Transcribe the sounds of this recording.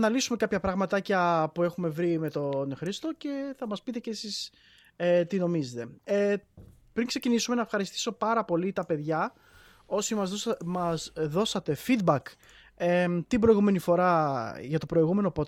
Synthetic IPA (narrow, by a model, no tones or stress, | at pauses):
nɐlisume̞kɐpçɐpɾɐɣmɐt̪ɐcɐpue̞xume̞vɾime̞t̪o̞nxɾist̪o̞ce̞θɐmɐspit̪e̞cesis | et̪ino̞mizet̪e̞e | pɾiŋkse̞cinisume̞nɐefxɐɾist̪i̥so̞pɐɾɐpo̞lit̪ɐpe̞ðʝɐ | o̞simɐzmɐzðo̞sɐt̪e̞fid̪̚bɐk | et̪ibɾo̞jɣume̞nifo̞ɾɐʝɐt̪o̞pɾo̞iɣume̞no̞po̞t̪